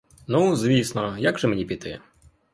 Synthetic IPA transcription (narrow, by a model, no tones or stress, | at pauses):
nuzvʲisnɔjaɡʐɛmɲʲɛpʲit̪ɨɛ